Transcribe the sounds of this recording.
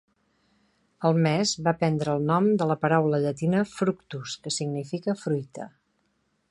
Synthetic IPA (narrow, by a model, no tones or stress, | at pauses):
əlˠmɛzβapɛnd̪ɾəːlˠnɔmd̪ələpəɾawləʎət̪inəfɾukt̪uskəsiɡnifikəfɾujt̪ə̰